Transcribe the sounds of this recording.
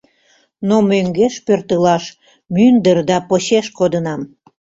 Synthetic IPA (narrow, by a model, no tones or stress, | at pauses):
nomøŋɡeʃpørt̪əlɑʃ | mynd̪ərd̪ɑpoɕeʃkod̪ənɑm